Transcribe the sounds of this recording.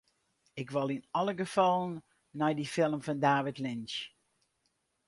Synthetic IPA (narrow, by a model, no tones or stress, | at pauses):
ɪkʋɑlˠinɔlˠəɡəfɔlˠənː | ɛjdifɪlˠmfɔndaːʋɪtlɪnt͡ʃ